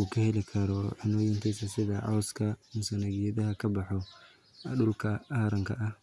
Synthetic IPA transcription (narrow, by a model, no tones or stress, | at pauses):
ukʰɐhɛlɪkʰɐɾɔʕɪnɔːjɪnt̪ʰisɐsɪðɐʕɑwskʰɐmʊsɐnɐɣɪjɐðɐɦɐkʰɐbɑħɔ | ɗʊlkʰɐaːɾɐŋkʰɐʔɐh